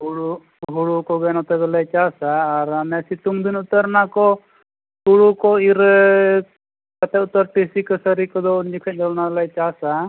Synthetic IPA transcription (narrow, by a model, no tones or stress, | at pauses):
ɦuɽu | ɦuɽukɔɡɛnɔt̪ɛɡɔlajt͡ʃasaːɾamɛsit̪umd̪inut̪əɾnakɔ | huɽukɔiɾ | kkat̪ɛut̪əɾʈisikəsəɾikɔd̪ɔund͡ʒikʰac̚ˀd͡ʒɔlnaɡlajt͡ʃasa